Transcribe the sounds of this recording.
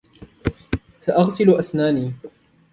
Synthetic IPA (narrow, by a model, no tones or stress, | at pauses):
saʔɑɣsɪlʔasnaːniː